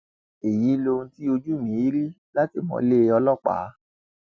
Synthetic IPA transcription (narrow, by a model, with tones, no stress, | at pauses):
e˨ji˨˦lo˧ũ˧˦ti˦o˧d͡ʒu˦˨mĩ˨˦i˦ɾi˦ | la˦ti˦˨mɔ̰̃˧˦le˦˧ɔ˧lɔ˦˨k͡pa̰˨˦